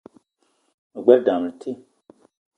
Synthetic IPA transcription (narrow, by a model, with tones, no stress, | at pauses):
a˨ɡ͡bɛ˦lda˨m˨tʰi˦